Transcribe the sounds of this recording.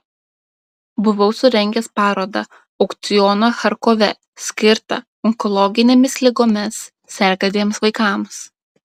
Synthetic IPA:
bʊʋɔʊsʊɾʲɛŋʲɡʲɛspɑːɾoːd̪ɐ | ɐʊkt̪sʲɪjɔːnɐxɐɾkoːʋʲɛ | sʲkʲɪɾt̪ɐ̰ | ɔŋkɔlˠɔɡʲɪnʲemʲɪslʲɪɡoːmʲɪsːʲ | ɛɾʲɡɐd̪ʲeːmsʋɐɪkɑːˑms

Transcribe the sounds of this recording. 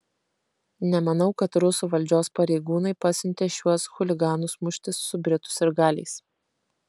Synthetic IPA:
nʲɛmɐnɐʊkɐt̪ɾʊsuːʋɐlʲd͡ʒʲoːspɐɾʲɛɪɡuːnɐɪpɐsʲɪnʲt̪ʲeːʃʲuɔsxʊlʲɪɡɑːnusmʊʃʲt̪ʲɪsːʊbʲɾʲɪt̪ʊ̥sɪɾɡɑːlʲɛ̰ɪs

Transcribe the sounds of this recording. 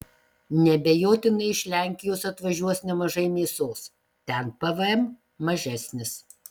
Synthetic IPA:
nʲɛbʲejoːt̪ʲɪnɐɪɪʃʲlʲæˑŋʲkʲɪjoːsɐt̪ʋɐʒʲuɔsnʲɛmɐʒɐɪmʲeːsoːs | t̪ʲɛnpɐʋɐɛm | mɐʒʲæsʲnʲɪs

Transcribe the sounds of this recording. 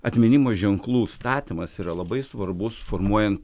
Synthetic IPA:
ɐt̪ʲmʲɪnʲimoːʒʲɛŋklˠuːst̪ɑːt̪ʲimɐsiːɾɐlˠɐbɐɪsʋɐɾbʊsʊ̥foːɾmuɔjɛnt̪

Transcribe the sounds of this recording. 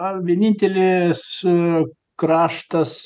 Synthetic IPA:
ʋʲiɛnʲinʲt̪ʲɛlʲes | kɾɑːʃt̪ɐs

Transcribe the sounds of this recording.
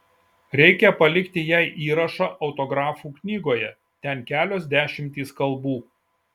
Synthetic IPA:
ɾʲɛɪkʲɛpɐlʲɪkt̪ʲɪjɛˑɪʔiːɾɐʃɑʔɒʊt̪oːɡɾɑːfuːknʲiːɡoːjɛ | t̪ʲɛnkʲæːlʲoːsd̪ʲæːʃʲɪmʲt̪ʲiːskɐlˠbuː

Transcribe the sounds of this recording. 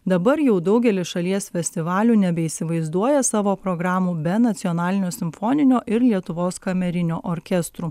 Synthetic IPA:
d̪ɐbɐɾjɛʊd̪ɒʊɡʲɛlʲɪsʃɐlʲiɛsfʲɛsʲt̪ʲɪʋɑːlʲuːnʲɛbʲɛiːsʲɪʋɐɪzd̪uɔjɛsɑːʋoːpɾoːɡɾɑːmuːbʲɛnɐt̪sʲiɔnɑːlʲɪnʲoːsʲɪmfɔnʲɪnʲoːʔɪɾlʲiɛt̪ʊʋoːskɐmʲɛɾʲɪnʲoːʔoːɾʲkʲɛst̪ɾuː

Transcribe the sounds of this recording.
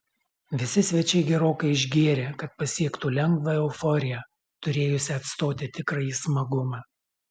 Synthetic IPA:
ʋʲɪsʲɪsʲʋʲɛt͡ʃʲɛɪɡʲɛɾoːkɐɪɪʒʲɡʲiɛɾʲeːkɐt̪̚pɐsʲiɛkt̪uːlʲɛŋɡʋɐɛʊfɔɾʲɪjɛ | t̪ʊɾʲeːjʊsʲɪɐt̪st̪oːt̪ʲɪt̪ʲɪkɾɐiːsmɐɡʊmɑː

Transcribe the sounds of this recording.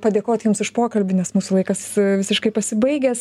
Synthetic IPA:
pɐd̪ʲeːkoːt̪ʲjʊmsɪʃpoːkɐlʲbʲɪnʲɛsmuːsʊlˠɐɪkɐsʋʲɪsʲɪʃkɐɪpɐsʲɪbɐɪɡʲeːs

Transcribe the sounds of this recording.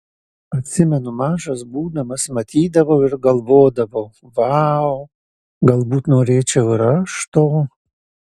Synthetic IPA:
ɐt̪sʲɪmɛnumaʂɐsbuːnɐmɐsmɐt̪ʰiːd̪ɐvɐwɪrɡɐlˠvoːd̪ɐvɐw | vaw | ɡɐlˠbut̪noɾʲeːt͡ʃɛɾɐʂt̪o

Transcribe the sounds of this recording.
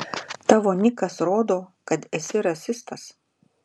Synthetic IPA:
t̪ɑːʋoːnʲɪkɐsɾoːd̪oːkɐt̪ɛsʲɪɾɐsʲɪst̪ɐs

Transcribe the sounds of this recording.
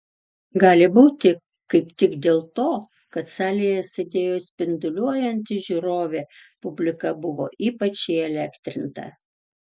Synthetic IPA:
ɡɑːlʲɪbuːt̪ʲɪ | kɐɪpt̪ʲɪɡd̪ʲeːlˠt̪oː | kɐt̪sɑːlʲijɛsʲed̪ʲeːjoːsʲpʲɪnd̪ʊlʲuɔjɛnʲt̪ʲɪʒʲuːɾoːʋʲeːpʊbʲlʲɪkɐbʊʋoːiːpɐt͡ʃʲɪɪɛlʲæːkt̪ʲɾʲɪnt̪ɐ̰

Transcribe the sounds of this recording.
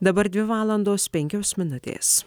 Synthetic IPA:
d̪ɐbɐɾd̪ʲʋʲɪʋɑːlˠɐnd̪oːspʲɛŋʲkʲoːsmʲɪnʊt̪ʲḛːs

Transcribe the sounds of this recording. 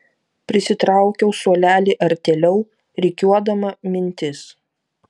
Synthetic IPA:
pʲɾʲɪsʲɪt̪ɾɑˑʊkʲɛʊsuɔlʲæːlʲeːʔɐɾʲt̪ʲɛlʲɛʊ | ɾʲɛɪkʲuɔd̪ɐmɐmʲɪnʲt̪ʲɪs

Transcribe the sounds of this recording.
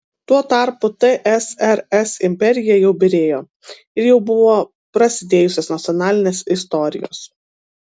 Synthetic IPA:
t̪uɔt̪ɑˑɾpʊt̪ɐʔɛsɛɾɛsɪmʲpʲɛɾʲɪjɛjɛʊbʲɪɾʲeːjoː | ɪɾjɛʊbʊʋoː | pɾɐsʲɪd̪ʲeːjʊsʲeːsnɐt̪sʲɔnɑːlʲɪnʲeːsɪs̬t̪ɔɾʲɪ̰jo̰ːs

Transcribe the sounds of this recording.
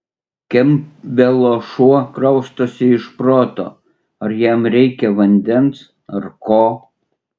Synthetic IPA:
kʲɛmbʲɛlˠoːʃuɔkɾɐʊʃt̪oːsʲɪɪʃpɾoːt̪o̰ː | ɐɾjæmɾʲɛɪkʲɛʋɐnʲd̪ʲɛns | ɐɾkoː

